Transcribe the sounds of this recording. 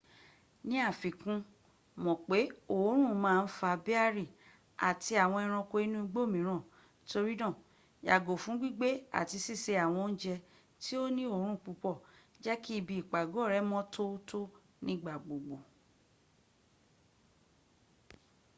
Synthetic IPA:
nĩ˦a˦˨fi˨kũ˧ | mɔ̃˨k͡pe˨˦o˨˦ɾ̃ũ˦˨mãː˦˧n̩˦fa˧bi˦a˦ɾi˦˨ | a̰˨ti˧a˨w̃ɔ̃˧ɛ˧ɾ̃ɔ̃˧ko˧i˦nũ˦i˧ɡ͡bo˦˨mĩ˨˦ɾ̃ã˦˨˦ | to˧ɾi˦nã˦˨ | ja̰˨ɡo˨fũ˨˦ɡ͡bi˦ɡ͡be˦a̰˨ti˧si˦˨se˧a˨w̃ɔ̃˧n̩˦d͡ʒɛ˧ | ti˦o˦nĩ˦o˦˨˦ɾ̃ũ˦˨k͡pu˧k͡pɔ˦˨ | d͡ʒɛ˦ki˦i˦˧bi˧˨i˨k͡pa˨ɡo˨˦˨ɾɛ˨˦mɔ̃˦to˦to˦ | nĩ˦˨ɡ͡ba˨ɡ͡bo˨ɡ͡bo˨

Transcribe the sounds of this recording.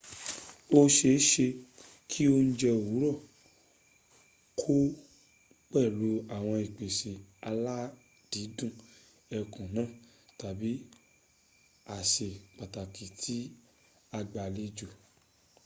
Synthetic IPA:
o˦ʃe˧˦ʃe˧ | kʰi˦o˧n̩˦d͡ʒɛ˧˨u˨˦ɾɔ˦˨ | kʰo˦ | k͡pɛ˦˨lo˨˦a˦˨w̃ɔ̃˧i˨k͡pe˨se˨a˧la˦ | d̥i˨˦dũ˦˨ | ɛ˧kũ˨nãː˦˨ta˨bi˨˦ | a˨ʃe˨k͡pa˨ta˨ki˨tʰi˦ | a˧ɡ͡ba˨le˧d͡ʒu˨

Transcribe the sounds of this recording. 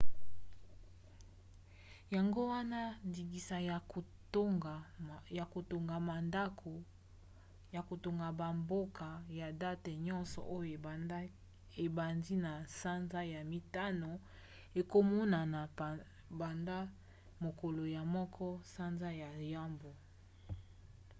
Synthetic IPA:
ja˨ŋɡo˦wa˦na˦ndi˨ɡi˨sa˨˦˨ | ja˨ko˨to˨ŋɡa˨ma˨nda˦kʰo˨ | ja˨ko˨to˨ŋɡa˨ba˨mbo˦ka˨ja˨da˦te˨ɲɔ˦nsɔ̰˨ʔo˦jo˨ | e˨ba˨ndi˦na˨sa˦nza˦ja˨mi˨ta˦no˨ | e˨ko˦mɔ˦na˨n˨ | ba˨nda˦ | mo˨ko˨lo˨ja˨mɔ˦kʰɔ˦sa˦nza˦ja˨i˨ja˦mbo˨

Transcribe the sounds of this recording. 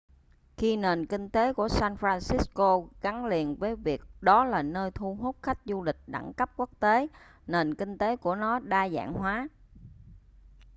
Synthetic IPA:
xi˧ne˨˩nkï˧ŋ̟t̪e˨˦ku˧˩əsaː˧nfɾaː˧nsi˦˥sko˧ɣa˨˦ŋli˨˩ənvəː˨˦jvi˨˩ək̚ɗɔ˨˦laː˨˩nəː˧jt̪ʰu˧ɦu˦˥t̚xa˦˥jk̟̚zu˧lï˨˩k̟̚ɗa̰˧˩ŋkə˦˥p̚ku˦˥ək̚t̪e˨˦ | ne˨˩nkï˧ŋ̟t̪e˨˦ku˧˩ənɔ˨˦ɗaː˧za̰ː˧˨ŋɦwaː˨˦

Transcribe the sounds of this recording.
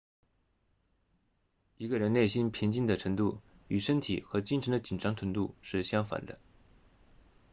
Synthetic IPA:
i˧˥ɡə˧ɻə˧˥nne˥˩ɪɕi˥npʰi˧˥ŋt͡ɕi˥˩nd̪ə˩ʈ͡ʂʰɤ˧˥ŋt̪u˥˩y˨˩ʂə˥nt̪ʰḭ˨˩xɤ˧˥t͡ɕi˥˩nʈ͡ʂʰɤ˧˥ŋd̪ə˧t͡ɕi˨˩nʈ͡ʂɑ˥ŋʈ͡ʂʰɤ˧˥ŋt̪u˥˧ʂɻ̩˥˩ɕjɑ˥ŋfa̰˨˩nd̪ə˦

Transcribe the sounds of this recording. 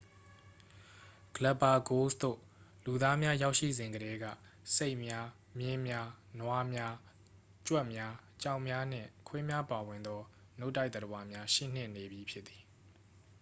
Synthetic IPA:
ɡ̥ələ˨pːa˨ɡo˦sd̪o̰˦˨ | lu˨d̪a˦mja˦ja˦ʊʔʃḭ˦˨zɪ̃˨ŋɡəɾɛ˦ɡä̰˦˨ | se˦ɪʔmja˦ | mjɪ̃˦mja˦nwa˦mja˦ | t͡ɕwɛ˦ʔmja˦t͡ɕã˦ʊ̃mja˦n̥ɪ̰̃˦˨kʰwɛ˦mja˦pa˨wɪ̃˨nd̪ɔ˦ | no˦ʊtːa˦ɪt̪əɾə˨wa˨mja˦ʃḭ˦˨n̥ɪ̰̃˦˨ne˨bji˨pʰjɪ˦t̪t̪ːi̥˨

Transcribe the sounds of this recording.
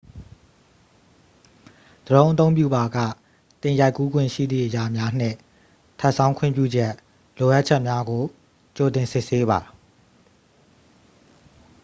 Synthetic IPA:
d̪̥əɾõ˦ʊ̃ʔət̪̬õ˦ʊ̃mpjṵ˦˨ba˨ɡä̰˦˨ | t̪ɪ̃˨ja˦ɪkːu˦ɡwɪ̰̃˦˨ʃḭ˦˨d̪ðḭ˦˨ʔəja˨mja˦n̥ɪ̰̃˦˨ | tʰa˦ʔsʰã˦ʊ̃kʰʊɪ̰̃˦˨mp̬jṵ˦˨d͡ʑɛ˦ʔ | lo˨ʔa˦t̚t͡ɕʰɛ˦ʔmja˦ɡo˨ | t͡ɕo˨tɪ̃˨nsɪ˦ʔse˦βa˨

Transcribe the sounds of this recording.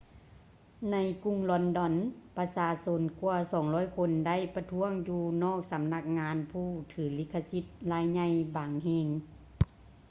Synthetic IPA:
na˧˥jku˧ŋlɔ˧ndɔ˧npa˧saː˧so˧˥nku˧ɐsɔː˩˦ŋlɔː˧˥˨jkʰo˧nda˥˨jpa˧t̪ʰu˧˥əŋjuː˧nɔː˥˨k̚sa˨˦mna˧˩k̚ŋaː˧˥npʰuː˥˩t̪ʰɯː˨˩˦li˧˥˩kʰːa˧si˧˥t̪̚laː˧˩jɲa˧˨jbaː˨˩ŋɦeː˧˩ŋ

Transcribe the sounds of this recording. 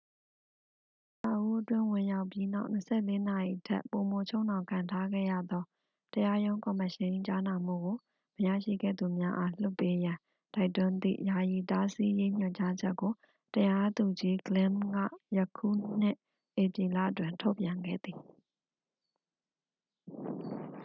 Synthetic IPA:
sa˨ʔu˦ʔətwɪ̰̃˦˨wɪ̃˨ja˦ʊpji˦na̰˦ʊʔnəsɛ̰˦˨le˦na˨ji˨ətʰɛ̰˦˨po˨mo˨t͡ɕʰo˦ʊ̃nã˨ʊŋkʰã˨ntʰa˦ɡɛ̰˦˨jä̰˦˨d̪ɔ˦ | təja˦jõ˦ʊ̃ŋkɔ˨məʃɪ̃˦t͡ɕa˦na˨m̥ṵ˦˨ɡo˨ | məjä̰˦˨ʃḭ˦˨ɡɛ̰˦˨d̪u˨mja˦ʔa˦l̥ʊ˦pːe˦jã˨ | ta˦ɪtːʊ̃˦nd̪ḭ˦˨ʔja˨ji˨ta˦si˦je˦ɲ̥ɔ˨ɲt͡ɕa˦d͡ʑɛ˦kːo˨ | təja˦d̪u˨d͡ʑi˦ɡlɪ̃˦mɡä̰˦˨jə˦kʰṵ˦˨n̥ɪ̰˦ʔ | ʔe˨pji˨la̰˦˨ʔətwɪ̃˨ntʰo˦ʊpjã˨ŋɡɛ̰˦˨d̪i˨

